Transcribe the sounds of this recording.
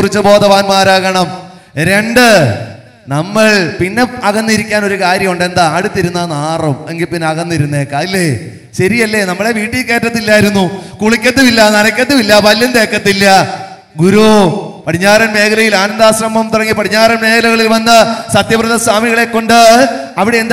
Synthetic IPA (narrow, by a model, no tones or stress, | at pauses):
kurit͡ɕːɨbo̞ːd̪ɐʋaːnmaːɾaːɣɐɳɐm | ɾe̞ɳɖɨ | nɐmːɐɭpinːe̞ɐɣɐnːiɾikʲːaːno̞ɾukaːɾjɐmuɳɖe̞nd̪aɐɽut̪ːiɾunːɐnaːrumeŋɡilpinːeɐɣɐnːiɾunːeːkːɐilːe | ɕɐɾijɐlːe̞nɐmːɐɭeʋiːʈːijlke̞ːtːɐt̪ːilːaːjiɾunːukuɭikʲːɐt̪ːumilːɐnɐnɐkʲːɐt̪ːumilːɐpɐljɐnd̪e̞ːkːɐt̪ːilːɐ | ɡuɾupɐɽiɲːaːɾɐnme̞ːkɐlɐjilaːnɐnd̪aːɕrɐmɐmt̪urɐŋːipɐɾiɲːaːɾɐnme̞ːkʰɐlɐɣɐɭilʋɐnːɐsɐt̪jɐprɐðɐswaːmiɣɐɭe̞kːo̞ɳɖɨɐʋiɽeend̪